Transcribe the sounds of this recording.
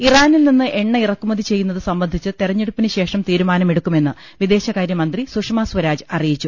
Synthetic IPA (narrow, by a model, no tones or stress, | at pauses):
iraːnilninːɨʔe̞ɳːɐirɐkːumɐðit͡ɕe̞jːunːɐðɨsɐmbɐnd̪ʱit͡ɕːɨt̪irɐɲːeɽupːinɨɕe̞ːʂɐmt̪iːɾumaːnɐmeɽukːume̞nːɨ | ʋid̪e̞ːɕɐkaːɾjɐmɐnd̪risuʂmaːsʋɐɾaːd͡ʑɨɐrijit͡ɕːu